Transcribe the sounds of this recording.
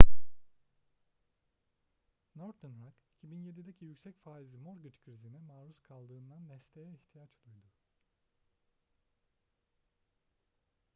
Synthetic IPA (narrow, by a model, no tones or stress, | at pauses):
noɾt̪ʰɯnɾaki̥cʰibinje̞d̪id̪ecʰijycsɛcfaːizimo̞ɾɡɯt͡ʃkʰɾizinimaːɾuskʰalˠd̪ɯːnd̪and̪ɛst̪ʰejɛiçt̪ʰijat͡ʃolˠujd̪u